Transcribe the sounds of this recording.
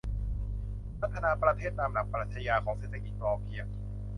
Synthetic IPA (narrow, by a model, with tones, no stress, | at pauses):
pʰa˨˩t̪ʰːa˧naː˧pɾa˧t̪ʰeː˥˩t̪̚ːaː˧mna˨˩pɾaː˨˩t̪t͡ɕʰa˧jaː˧kʰɔː˩˦ŋseː˨˩t̪ʰːa˧ki˨˩t̪̚ɔː˧pʰi˧əŋ